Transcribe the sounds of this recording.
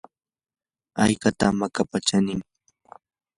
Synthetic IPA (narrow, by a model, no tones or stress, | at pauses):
ajkat̪amakapat͡ʃanɪŋ